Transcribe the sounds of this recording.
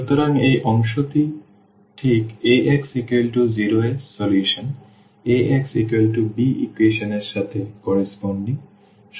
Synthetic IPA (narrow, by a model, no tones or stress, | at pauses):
ut̪oɾaŋejʔɔŋʃot̪i | ʈʰikeʔɛksikwelʈuziɾoesɔljuʃon | eɛksikwelʈubiḭkweʃoneɾʃat̪ʰekɔɾisponɖni | ʃ